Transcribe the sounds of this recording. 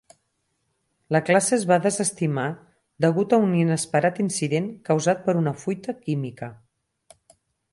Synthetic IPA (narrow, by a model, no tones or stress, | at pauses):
ləklaseəzβaðəzəst̪ima | d̪əɣut̪əuninəspəɾat̪insiðeŋkəwzat̪̚pəɾunəfujt̪əkimikə